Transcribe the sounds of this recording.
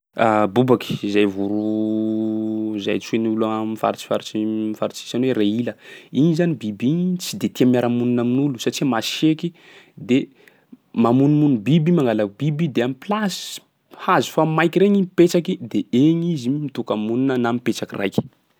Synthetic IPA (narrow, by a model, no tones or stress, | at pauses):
abubaki̥izajvuɾu | za̰jt͡ʃeniulamifa̰ɾit͡ʃi̥fa̰ɾit͡ʃimifaɾit͡ʃi̥sanwereiləinizanibibiɲt͡sid̪et̪iamjaɾamuninaminulusaʈ͡ʂimaseki | d̪e | mamunimunubibimaŋɡalabibid̪eamiplas | hazu̥famajkiɾeɲipet͡ʃakid̪eeɲizimit̪ukamuninənamipet͡ʃakira̰jkʲi̥